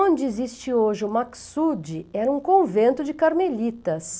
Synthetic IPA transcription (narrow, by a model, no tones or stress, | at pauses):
õnd͡ʒɪezist͡ʃɪoʒɪʊmaksud͡ʒɪɛɾɐũkõvẽnt̪ʊd͡ʒɪkaɾmeʎit̪ɐs